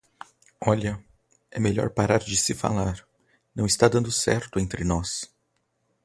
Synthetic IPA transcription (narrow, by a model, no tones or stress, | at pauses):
ɔʎɐ | ɛmeʎɔ̰ɾpaɾaɾd͡ʒɪsɪfa̰laɾ | nɐ̃w̃ɪst̪ad̪ɐ̃nd̪ʊsɛ̰ɾt̪ʊẽnt̪ɾɪnɔs